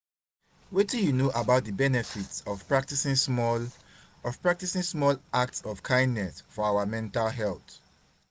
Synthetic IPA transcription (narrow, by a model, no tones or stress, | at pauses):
wetĩjunoʔabaʊt̚dəbɛnɛfitsɔv̥pɹak̚tisĩŋsmɔ | ɔvpɹak̚tisĩŋsmɔlak̚tsɔv̥kʰãɪ̃ndnɛsfɔawamɛ̃ntalɦɛlt